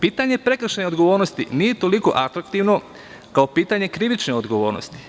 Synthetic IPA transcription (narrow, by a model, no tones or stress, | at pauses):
piːt̪aɲe̞pɾe̞kr̩ʃeneod̪ɡoʋoːɾnost̪iniːje̞t̪o̞liko̞̰ʔat̪ɾakt̪iʋno̞ | kaopiːt̪aɲe̞kɾiʋit͡ʃneod̪ɡo̞ʋo̞ːɾno̰st̪i̥